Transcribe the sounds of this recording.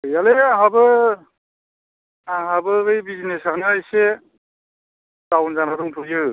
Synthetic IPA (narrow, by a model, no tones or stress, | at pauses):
ojaleɦabɯ | aɦabɯɯjbizinesakʰnaajse | tawnzanadɔŋtʰujɯ